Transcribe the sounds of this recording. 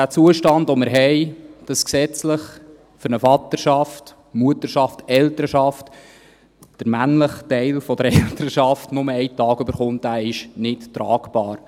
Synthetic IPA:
dæːt͡suəʃtɑndomɪɾɦɛɪd̥ɑsksɛt͡sləχ | fʏɾnəfɑt̪əɾʃɑft | muətəɾʃɑftɛltəɾəʃɑft | d̥əɾmænləχtɛɪlfɔd̥əɾɛltəɾəʃɑftnʊməɛɪtɑːɡ̥ʉbəɾχʊntæːɪʃnɪttɾɑ̰ːkb̥ɑːɾ

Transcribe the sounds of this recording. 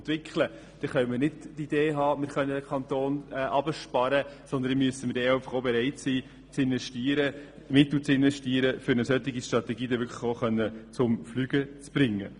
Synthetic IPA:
t̪ʋɪkχlə | d̪̥ɛχœnməɾnɪdtːid̥̪eːɦɑːmɪɾχœnːəd̪əkʰɑnt̪oːnɛʔɑbəʃpɑɾəsɔnd̪ənmyəsəmɪɾdɛɛɪfəχobɛɾɛɪtsiː | t͡sɪnʋɛʃtiːəɾə | mɪt̪l̩t͡sɪnʋɛʃtiːəɾəfʏɾnəsœt̪ːɪɡiʃtɾɑt̪ɛɡiːdɛʋʏɾkʰlə̥χoχœnːət͡sʊmflyːɡ̥ət͡sb̥ɾɪŋːə̰

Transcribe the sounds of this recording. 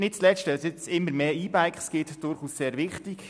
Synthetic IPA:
nɪt̚t͡slɛʃtəɑsɪt͡sɪmːəɾmeːiːbæɪkχsɡ̥ɪtd̥ʊɾχuːsseːɾʋɪχtik

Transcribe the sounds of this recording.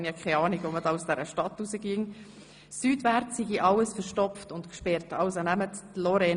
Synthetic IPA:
njɑkʰɛɪɑːniɡʋomədɑːusd̥ɛɾəʃtɑtːusəɡiəŋ | syːdʋæɾtsiɡiʔɑlːəsfəɾʃtɔpftʊntkʃpɛɾtɑʊsonæmətːloɾɛ

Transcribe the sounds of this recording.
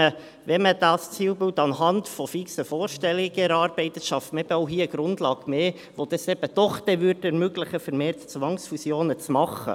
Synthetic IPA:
ə | ʋɛməd̥ɑːst͡siːlbɪltɑnɦɑndfɔfiksəfoːɾʃtɛliɡəɛɾɑːɾb̥ɛɪt̪əʃɑftmɛb̥əɔʊɦiːəəɡ̥ɾʊndlɑːɡ̥meː | ʋod̥̪ɑsɛb̥əd̥ɔχd̥ɛʋyɾdɛɾmøɡlɪχəfɛɾmeːɾtt͡sʋɑŋsfusjoːnət͡smɑχːə̰

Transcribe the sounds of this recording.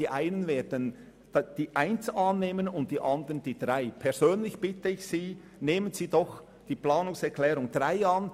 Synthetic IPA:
iːʔaɪnənveːdən̥ | d̥iːʔaɪnt͡sɑːnːeːmənʊnt̚d̥iːʔɑndəʁənd̥iːd̥ʁaɪpʰɛzøːnlɪçb̥ɪtəɪçsiː | neːmənziːdɔx | d̥iːplɑːnʊŋsɛɐkʰlɛːɾʊŋd̥ʁaɪɑn

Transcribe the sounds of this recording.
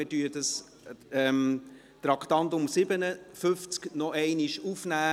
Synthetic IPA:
ɪdyːədəs | ɛm | t̪ɾɑkt̪ɑnt̪ʊmsɪbənəfʏft͡sknɔʔɛɪniʃufnæː

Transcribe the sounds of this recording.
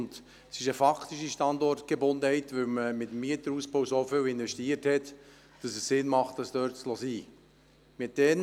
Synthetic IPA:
nt̪ | sɪʃəfɑkʰt̪iʃiʃtɑndɔrtɡ̥ebʊnd̪əhɛɪt̪ʋɵwməmɪt̪əmːiət̪əɾuːspowsofʏwɪnʋɛʃtiəɾthɛt | d̥ɑsəssɪnmɑχt̚d̥ɑsd̥øːɾtslɔsiː | mɪt̚d̥ɛn

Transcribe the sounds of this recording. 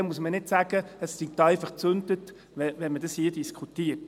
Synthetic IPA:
ɛmuəsmənɪtsæɡ̥əəssiɡt̪ːæɪfɑχt͡sɵnd̪ət | ʋɛʋɛnmədɑshiːədiskχut̪iə

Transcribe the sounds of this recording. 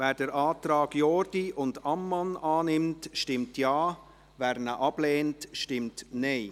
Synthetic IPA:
vɛːɾd̥əɾʔaːtrɑːɡ̥jɔːɾdiʔʊndamːɑnaːnɪmtʃtɪmtjaː | vɛːɾnəʔɑb̥leːntʃtɪmtneɪ

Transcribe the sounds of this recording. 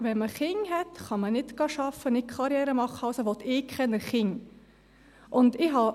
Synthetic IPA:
ʋɛnməχɪŋɦɛtχɑmənɪtɡ̥ɑʃɑfənɪkʰɑɾjɛːɾəmɑχəɑlsoʋɔt̪ɪkχɛnəɾχɪŋ | ʔʊnd̪ɪɦɑ

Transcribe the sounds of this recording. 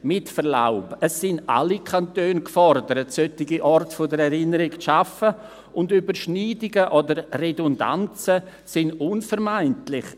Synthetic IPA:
mɪtfəɾla̰ʊbəsːɪna̰likʰantøːnkfɔɾdəɾətsœtɪɡiʔɔrtfodəɾɛɾɪnəɾɪkʃafə | ʊndybəɾʃniːdɪɡəʔodəredʊnda̰nt͡sə | sɪnʊnfəɾmaɪntlɪχ

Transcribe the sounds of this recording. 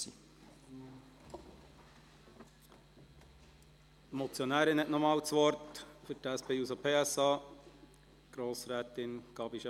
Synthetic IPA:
i | mɔt͡sjɔnæːɾɪnhɛtnɔmɑːwt͡sʋɔɾtfʏɾtæspeːusopʰeːæsɑː | ɡ̥ɾoːsɾæːt̪ɪnɡ̥ɑbiʃɛ

